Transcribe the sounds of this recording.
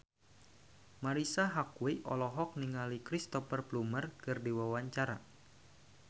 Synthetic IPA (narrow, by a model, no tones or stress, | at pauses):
maɾisaɦakwiʔɔ̰lɔɦɔk̚niŋalikɾist̪ɔfərplumərkɨrdiwawaɲt͡ʃaɾa